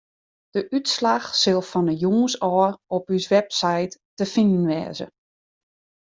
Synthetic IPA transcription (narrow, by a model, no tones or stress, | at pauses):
d̥əʔytslaxsɪlˠfɔnəjuːsɔːrɔpysʋɛpsajtː | əfindən̩ʋɛ̰ːzə̰